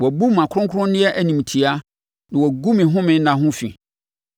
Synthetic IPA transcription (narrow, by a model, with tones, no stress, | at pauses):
wɔ˨bu˦mã˨kʰʊ˦ɾʊ̃˦ŋ˦kʰʊ˦ʊ̃˦nɪ̃˦ɛ˦ʔæ˨nĩ˨m˨tʰi˨a˦ | nã˨wɔ˨ɡu˦mɪ̃˨ɦʊ̃˦mɪ̃˨n˦nã˨ɦʊ̃˦fḭ˨